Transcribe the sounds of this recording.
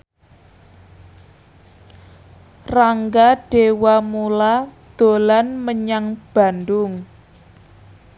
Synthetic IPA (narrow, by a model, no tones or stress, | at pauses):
raŋɡaɖ̥ewamulad̪̥o̤lanməɲaŋb̥a̤ndʊŋ